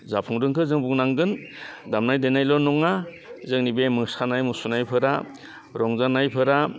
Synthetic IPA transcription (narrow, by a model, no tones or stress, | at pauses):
zapʰuŋdɯŋkʰɯzɯŋbuŋnaŋɡɯndamnajdenajlɔnɔŋa | zɯŋnibemɯsanajmɯsunajpʰɯɾa | ɾɔŋzanajpʰɯɾa